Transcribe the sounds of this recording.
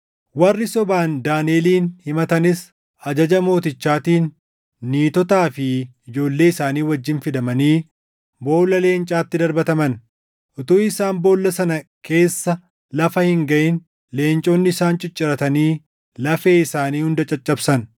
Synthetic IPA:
wɐrːɪsɔbaːnd̪aːneːliːnhɪmɐt̪ɐnɪs | ɐd͡ʒɐd͡ʒɐmo̞ːt̪ɪt͡ʃːaːt̪iːnː | iːt̪ɔt̪aːfɪɪd͡ʒo̞ːlːe̞ːɪsaːniːwɐd͡ʒːɪnfɪd̪ɐmɐniː | bo̞ːlːɐle̞ːnt͡ʃʼaːt̪ːɪd̪ɐɾbɐt̪ɐmɐn | ʔʊt̪uːɪsaːmbo̞ːlːɐsɐnɐkʰe̞ːsːɐ | lɐfɐhɪŋɡɐʔɪn | le̞ːnt͡ʃʼo̞ːnːɪɪsaːnt͡ʃʼɪt͡ʃʼːɪɾɐt̪ɐniː | lɐfe̞ːɪsaːniːhʊnd̪ɐt͡ʃʼɐt͡ʃʼːɐbsɐn

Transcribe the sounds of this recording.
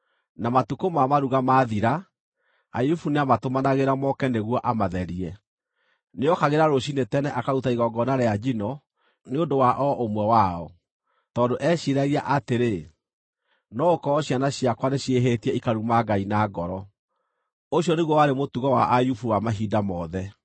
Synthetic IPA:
namatukomamaɾuɣamaːðiɾa | a̰jufuneamatomanaɣeɾamɔkɛneɣwɔʔamaðɛɾiɛ | neɔkaɣeɾaɾoɕinetɛnɛʔakautaiɣɔɡɔnaɾɛad͡ʒinɔ | neondowaʔɔʔomwɛwaɔ | tɔːndoʔɛɕiɾaɣiaʔateɾe | nɔokɔɔɕjanaɕiakwaneɕieɦetiɛikaɾumaɡainaːɡɔɾɔ | oɕiɔneɣwɔwaɾemotuɣɔwa̰ʔajufuwamaɦidamɔːðɛ

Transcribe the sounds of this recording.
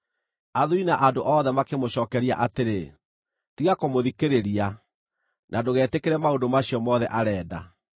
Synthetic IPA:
aðuinaʔandoʔɔðɛmakemoɕɔːkɛɾia̰ʔateɾe | tiɣakomoðikeɾeɾia | nʔadoɣɛːtekeɾɛmaondomaɕiɔmɔðɛʔaɾɛːda̰

